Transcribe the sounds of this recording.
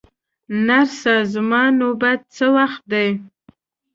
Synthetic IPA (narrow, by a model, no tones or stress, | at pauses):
narsazmɑnobat̪̚t͡sʰəlaχd̪ej